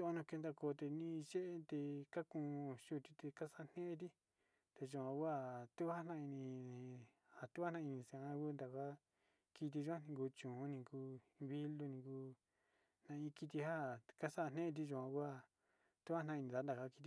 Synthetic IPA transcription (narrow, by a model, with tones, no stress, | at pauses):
o˦˧o˧nũ˧ke˧nd̪a˧ko˧˨˧t̪e˧nĩ˦˧ʒe˦ʔe˦t̪e˧ka˦kũ˧˨˧ʃu˦˨t̪i˧t̪e˧ka˦sa˦ʔn̥ẽ˦e˧t̪̬i˦ | t̪e˧ʒu˧ã˧kʷa˦˨t̪u˦ha˦nã˦˧i˧nĩ˧ | ha˨t̪u˦a˦nã˦˧i˧nĩ˧sã˧˨ã˧˦ku˦nd̪a˨ka˦ | ki˧t̪̬i˧ʒu˦ã˦˧nĩ˧ku˧t͡ʃũ˨˦nĩ˧ku˧βi˦lu˧nĩ˧kuː˧ | nã˧ĩ˧ki˧t̪̬i˧ha˦˨ka˦sa˦˧n̥ẽ˦ʔe˧t̪̬i˧ʒũ˧˨ã˧kʷa˦˨ | t̪u˦ha˦nã˧nĩ˧ða˨˦nd̪a˨ka˧˦˧ki˧i˧